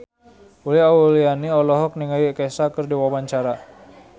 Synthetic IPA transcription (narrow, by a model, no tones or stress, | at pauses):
uliaulianiɔlɔɦɔk̚niŋajikesakərdiwawaɲt͡ʃaɾa